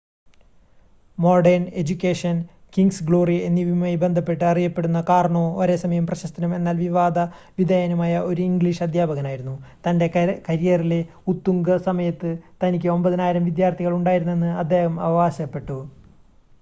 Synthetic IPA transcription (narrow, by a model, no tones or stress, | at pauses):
mo̞rɖɐrne̞d͡ʑukʲːeːʂɐn | kiŋɡsɡɭo̞ːrie̞nːiʋimaːjbe̞nd̪ʱɐpːe̞ʈːɨɐrijɐpːe̞ɽunːɐkaːrɐɳoːoɾesɐmɐjɐmprɐɕɐst̪ɐnɐme̞nːaːlʋiʋaːd̪ɐ | ʋid̪ʱɐjɐnumaːjɐʔo̞ɾuiŋɡɭiʂɐd̪ʱjaːbɐɣɐnaːjiɾunːut̪ɐnde̞kɐɾijɐrile̞ | ut̪ːuŋɡɐsɐmɐjɐt̪ːɨt̪ɐnikʲːɨo̞mbɐðɐnaːjiɾɐmʋid̪jaːrt̪ʰiɣɐɭuɳɖaːjiɾunːe̞nːɨɐd̪ʱːe̞ːhɐmɐ̰ʋɐʋaːɕɐpːe̞ʈːu